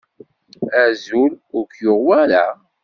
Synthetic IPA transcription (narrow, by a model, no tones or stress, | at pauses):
æzulʊɾkjʊʁwæɾa